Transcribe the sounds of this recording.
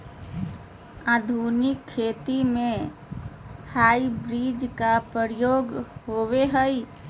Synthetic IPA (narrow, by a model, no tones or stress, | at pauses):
ad̪ʱunɪkʰːet̪imẽ | haibɾid͡ʒkapɾəɾjoːɡɦoweɦəj